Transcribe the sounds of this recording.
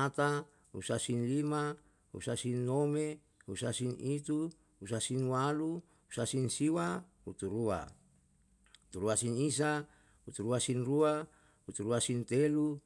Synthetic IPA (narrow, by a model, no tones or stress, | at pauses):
at̪a | ṵsasinlima | ṵsasinːome | husasinit̪u | usasinwalu | usasinsiwa | ut̪uɾua̰ | ut̪uɾuasinis̬a | ut̪uɾuasinrua | hut̪uɾuasint̪elu